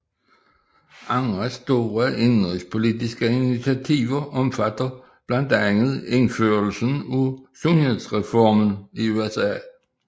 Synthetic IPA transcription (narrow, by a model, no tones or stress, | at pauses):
ɑ̈ŋʁæsd̥o̝ːʁæʔe̝nʁispʰo̝lidisɡ̥əinit͡sʰiæt͡sʰiʋɐʔɒ̽mfæd̥ɐ | b̥læn̰d̥æŋəð̩ˠeŋføɐl̩sənusonhe̝ðˠsʁɛfɒːmən̩iuesɛ̰ː